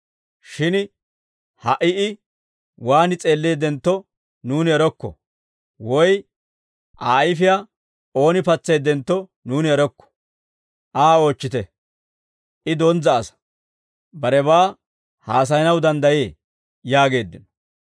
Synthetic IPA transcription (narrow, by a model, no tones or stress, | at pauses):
ʃɪn | hɐʔɪɪ | waːnɪt͡sʼe̞ːlːeːd̪ɛnt̪ːɔ | nuːnɪɛɾɔkːɔ̰ | wɔj | ʔa̰ːjɪfɪja | o̞ːnɪpɐt͡sːe̞ːd̪ɛnt̪ːɔ | nuːnɪɛɾɔkːɔ̥ | ʔaːo̞ːt͡ʃːɪt̪ɛ | ʔɪd̪ɔnzɐːsɐ̥ | bɐɾɛβaː | haːs̬ɐjnɐwd̪ɐnd̪ɐje̞ː | jaːɡe̞ːd̪ːɪnɔ̥